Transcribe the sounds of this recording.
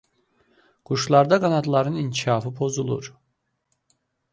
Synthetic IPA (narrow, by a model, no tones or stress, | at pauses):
ɡ̥uʃlˠɑɾd̪ɑɡɑnɑt̪lˠɑɾɯnincʰiʃɑːfɯpʰo̞zulˠṵɾ